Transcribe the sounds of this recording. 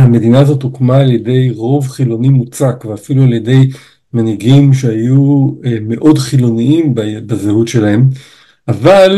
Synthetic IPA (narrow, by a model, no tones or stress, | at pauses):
hame̞d̪inaːzo̞t̪okmaːlje̞de̞jʁo̞vχilo̞nimut͡sakveafilualje̞de̞j | maniɡimʃeajume̞ʔo̞dχilo̞niimbbazehutʃe̞lahe̞m | ʔaval